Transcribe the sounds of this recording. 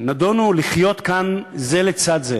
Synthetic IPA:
nad̪onuliχjo̞t̪kanzelet͡sad̪ze

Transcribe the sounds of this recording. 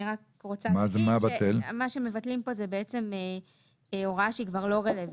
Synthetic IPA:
iʁak | ʁot͡samazmabat̪elmaʃeme̞vatlimpo̞zebeet͡se̞me | o̞ʁaʃikvaʁlo̞ʁelev

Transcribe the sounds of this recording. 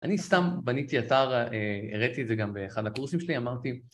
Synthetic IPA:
ʔanist̪ambanit̪iat̪aʁeḛʁet̪ied̪ze̞ɡambeːχad̪hakuʁsimʃeliamaʁt̪i

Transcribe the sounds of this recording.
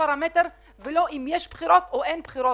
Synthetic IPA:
aɾamet̪eɾ | veloʔimjɛʃbχiɾot̪oʔenbχiɾo

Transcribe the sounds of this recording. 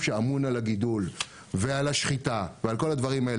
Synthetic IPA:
ʃeamunalaɡidul | vealaʃχitavealko̞lad̪vaʁimae

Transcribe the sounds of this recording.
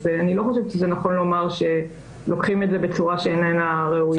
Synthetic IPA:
veanilo̞χoʃevʃezenaχo̞nlo̞maʁʃe̞ | lo̞kχimezebe̞t͡suʁaʃeenenaʁeuj

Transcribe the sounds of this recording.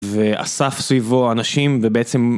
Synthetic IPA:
veʔa̰safsvivoanaʃimvebeet͡se̞m

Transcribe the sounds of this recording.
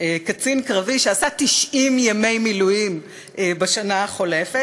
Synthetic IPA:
ekat͡sinkʁaviʃeasat̪iʃʔimjame̞jmilujim | ebeʃanaχo̞le̞fe

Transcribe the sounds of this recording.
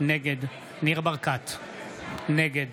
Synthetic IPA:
neɡed̪ | niʁbaʁkat̪ | neɡed̪

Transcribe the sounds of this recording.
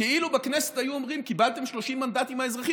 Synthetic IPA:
eilubekneset̪ajuomʁimkibalt̪e̞mʃlo̞ʃimːand̪at̪imaezʁaχi

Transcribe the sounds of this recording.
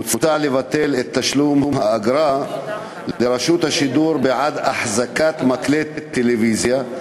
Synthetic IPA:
lfat̪aʕlevat̪ːelet̪ːaʃlumhumhaʔaɡɾa | lleɾaʃut̪haʃid̪uɾbeʕad̪aħzakat̪maklet̪et̪ːelevizja

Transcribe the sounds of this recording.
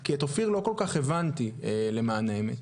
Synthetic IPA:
kiat̪ofiʁlo̞ko̞lkaχevant̪iele̞maːnaemet

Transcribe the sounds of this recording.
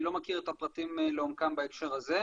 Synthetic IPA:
lo̞makiʁet̪apʁat̪imleomkambaekʃe̞ʁaze̞

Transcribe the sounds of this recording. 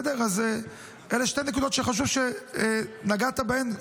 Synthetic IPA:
dɛʁaz | ɛleʃtejnekud̪ɔtʃɛχaʃ̬uvʃɛ | naɡat̪abɛn

